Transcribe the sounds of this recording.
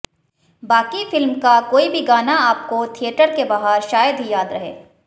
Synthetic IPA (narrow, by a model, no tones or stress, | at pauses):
baːkifɪlmkakoːibʱiɡaːnaaːp̚kot̪ʰiəʈəɾkebaɦaɾʃaːjəd̪ʱɦijaːd̪ɾɐɦḛː